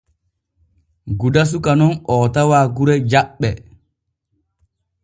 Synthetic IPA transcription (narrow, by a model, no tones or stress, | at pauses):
ɡudas̬ukanɔnɔːtawaːɡuɾɛd͡ʒaɓːɛ